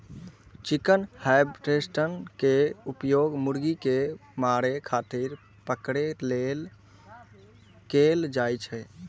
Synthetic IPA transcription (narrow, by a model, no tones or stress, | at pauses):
t͡ʃikənhajbʈesʈənkeupjoɡmuɽɡikemaɽekʰat̪iɾ | pəkɽelel | keld͡ʒajt͡ʃʰɛ